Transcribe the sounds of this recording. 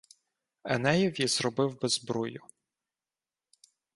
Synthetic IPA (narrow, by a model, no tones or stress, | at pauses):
ɛ̰nɛjɛwjiz̥ɾɔbɪwbɛzbɾujʊ